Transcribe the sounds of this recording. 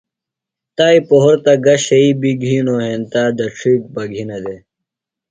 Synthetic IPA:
t̪aːipoɦoɾt̪ɐɡɐɕɐibiɡʱiːnoɦent̪aːd̪ɐʈ͡ʂʰik̚bɐɡʱinɐd̪e

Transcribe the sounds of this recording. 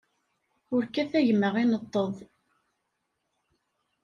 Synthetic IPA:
ʊɾkæθæʝəmːəʁinət̪ˤːəðˤ

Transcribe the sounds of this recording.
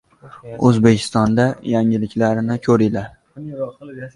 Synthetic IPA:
ɵzbekʲʰɪ̥st̪ɒnd̪ajaŋɪlɪkʲlaɾɪnɪkʲʰɵɾɪlaɾ

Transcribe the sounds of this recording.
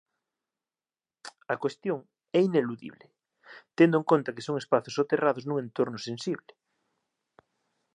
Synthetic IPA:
ɐkwest̪joŋ | ɛineluðḭβle | t̪end̪oeŋkont̪akesoŋespaθosot̪eraðoznũŋẽnt̪oɾnʊsẽnsiβle

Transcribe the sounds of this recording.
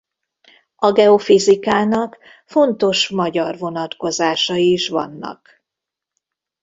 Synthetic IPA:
ɒɡɛo̞fizikaːnɒk | fo̞nt̪o̞ʃmɒɟɒrvo̞nɒt̪ko̞zaːʃɒjiːʃʋɒ̰nːɒ̰k

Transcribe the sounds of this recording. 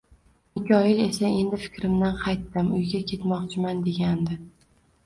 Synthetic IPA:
ɪkʲʰɒjɪle̞sae̞nd̪ɪfɪ̥kʲɾɪmd̪anqʰɑjt̪ːɪmʊjɡʲakʲʰe̞t̪mɒqt͡ʃʰɪmand̪e̞ɡʲand̪ɪ

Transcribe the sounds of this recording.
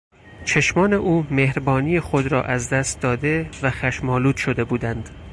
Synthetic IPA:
t͡ʃʰeʃmɒːne̞ʔuːmehɾbɒːniːjexod̪ɾɒ̰ːʔæzd̪æst̪̚d̪ɒːd̪e̞væxæʃmɒːluːd̪̥ʃod̪e̞buːd̪ænd̪̥

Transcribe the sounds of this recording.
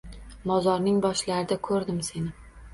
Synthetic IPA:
mɒzɒɾnɪŋbɒʃlaɾɪd̪akʰɵɾd̪ɪmse̞nɪ

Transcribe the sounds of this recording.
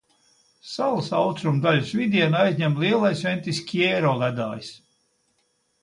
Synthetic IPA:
salˠasawt̪ɾumd̪aʎʲusvid̪ʲiɛnajzɲʲɛmlˠiɛlˠajsvʲɛnt̪ʲisʲkʲiɛːɾɔːlæd̪a̰ːjis

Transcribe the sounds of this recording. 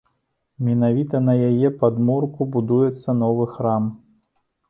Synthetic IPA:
mʲɛnavʲit̪ɐnɐjajɛpad̪murkubud̪ujɛt̪sːɐnɔvɨxɾam

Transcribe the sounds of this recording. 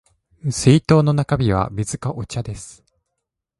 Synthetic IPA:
sɨit̪o̞ːno̞nakabʲiβ̞a̰mʲizɨkaʔo̞t͡ɕad̪e̞sɨ̥

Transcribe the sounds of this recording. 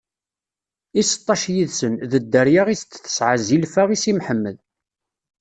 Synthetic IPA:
isə̥t̪ˤːɑʃjiðsənðəd̪ːəɾjaʁist͡s̪ːθə̥sʕazilfaʁisimħəmːəð

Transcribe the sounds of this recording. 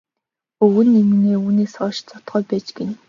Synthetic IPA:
ɵɣɘ̆nːemineːuːneːsɔːʃt͡sɔt̪χɔːjpæːt͡ɕɡen

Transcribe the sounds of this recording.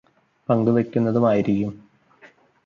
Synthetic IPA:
pɐŋɡɨʋe̞kʲːunːɐðumaːjiɾikʲːum

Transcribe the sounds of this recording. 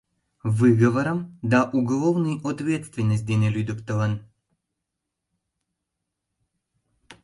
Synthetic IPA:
vɨɡəvəɾəmd̪aʔuɡɐlˠovnɨjɔt̪vʲet̪st̪vʲɪnːəsʲt̪̚ʲd̪ʲenʲelʲyd̪upt̪əlˠən

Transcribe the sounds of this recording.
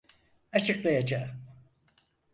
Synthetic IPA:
at͡ʃʰɯklˠajad͡ʒaː

